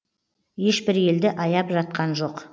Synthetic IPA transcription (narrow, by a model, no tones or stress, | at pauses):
je̞ʃbɪɾe̞ld̪ɪʔɑjɑpʒɑt̪̚qɑnʒo̞q